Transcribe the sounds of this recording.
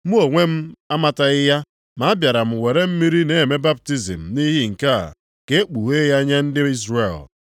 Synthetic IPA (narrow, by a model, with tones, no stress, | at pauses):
mu˦o˨ŋʷe˦m̩˦a˦ma˦ta˨ɪ˦ja˦ | ma˨a˦bja˨ɾa˨m̩˨we˨ɾe˦m̩˦mi˦ɾi˦ne˨me˦ba˦p̚ti˦zḭ˨m̩˨ni˦ɦi˦ŋ̩˨ka˦˨ | ke˦e˦k͡pu˨ɦe˦ja˦ɲe˦n̩˦dɪ˦i˦zɾe˨l